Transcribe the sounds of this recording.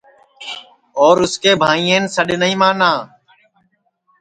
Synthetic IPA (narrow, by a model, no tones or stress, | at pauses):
oːɾʊskeːbʱãːĩːeːnsəɗnəĩːmãːnãː